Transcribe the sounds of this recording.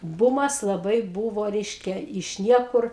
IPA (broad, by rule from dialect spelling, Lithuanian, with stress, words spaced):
ˈbuːmɐs lˠɐˈbɐɪ ˈbuːʋoː ˈrʲɛɪʃʲkʲɛ ɪʃ ˈnʲiɛkʊr